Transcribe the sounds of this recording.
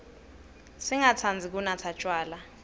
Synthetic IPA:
siŋat͡sʰand͡zʱik̬unatʰat͡ʃʼwaːla

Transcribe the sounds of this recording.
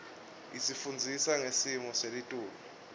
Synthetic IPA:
isifund͡zʱisaŋesimɔselitʼuːlɔ

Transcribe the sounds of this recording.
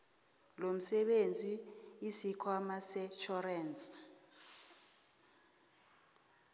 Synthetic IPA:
lom̩sɛɓend͡zʱiːsikʰwamasɛt͡ʃʰɔrɛːnt͡sʼ

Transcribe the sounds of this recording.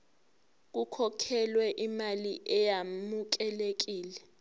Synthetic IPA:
k̬ukʰɔkʰɛlwɛʔimaliʔɛjamuk̬ɛlek̬iːlɛ

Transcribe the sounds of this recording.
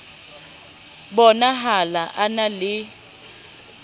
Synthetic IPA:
bɔnaɦalaʔanalɪ

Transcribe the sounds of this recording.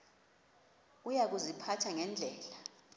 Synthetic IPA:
ujak̬uzipʰatʰaŋɛnd͡ɮʱɛːla

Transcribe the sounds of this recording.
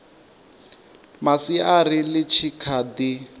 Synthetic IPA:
masiarilɪt͡ʃʰikʰad̪i

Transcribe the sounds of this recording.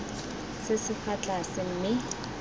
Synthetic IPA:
sɪsɪfat͡ɬasɪm̩mɪ

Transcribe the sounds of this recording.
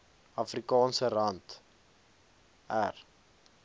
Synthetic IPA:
ɐfrikɑːnsəɾɐnt | ær

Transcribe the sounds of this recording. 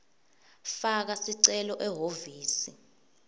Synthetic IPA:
fak̬asiǀɛlɔʔɛɦoviːsi

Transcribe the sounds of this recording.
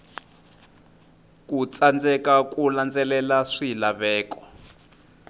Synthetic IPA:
kʼut͡sand͡zɛkak̬ʼuland͡zɛlɛlaʂilaβɛːkɔ̥

